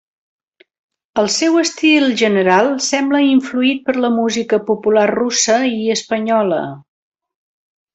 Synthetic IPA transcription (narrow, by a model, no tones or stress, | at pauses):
əlˠsɛwəst̪ilˠʒənəɾalˠsɛmbləiɱfluit̪̚pəɾləmuzikəpupularrusəiəspəɲɔlə̰